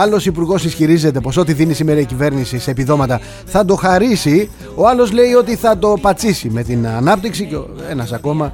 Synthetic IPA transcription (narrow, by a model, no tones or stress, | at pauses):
ɐlo̞sipuɾɣo̞sisçiɾize̞t̪e̞po̞so̞t̪iðinisimeɾɐicive̞ɾnisiseːpiðo̞mɐt̪ɐ | θɐd̪o̞xɐɾisi | o̞ɐlo̞zle̞io̞t̪iθɐt̪o̞pɐt͡sisime̞t̪inɐnɐpt̪iksice | e̞nɐsɐko̞mɐ